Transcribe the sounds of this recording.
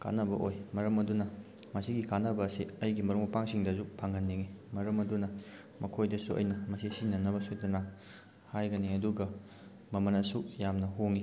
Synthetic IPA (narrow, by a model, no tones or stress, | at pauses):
ka̰nɐbɐ̰ʔojmɐɾɐmɐdunɐ | mɐsiɡikanːɐbɐːsiɐjɡimɐɾuŋmɐpaŋsiŋdɐzupʰaŋɡɐnːiŋimɐɾɐmɐdunɐ | mɐkʰojdɐsuʔɐ̰jnɐmɐsisinɐnɐbɐsoj̚dɐna | hajɡɐniɐduɡɐ | mɐmɐnɐsujamnɐɦoŋi